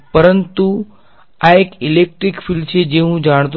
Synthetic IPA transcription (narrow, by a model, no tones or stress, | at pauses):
pəɾənt̪u | aekilek̚ʈɾikfiːlt͡ɕʰed͡ʑeɦũd͡ʑaɳ̃t̪̬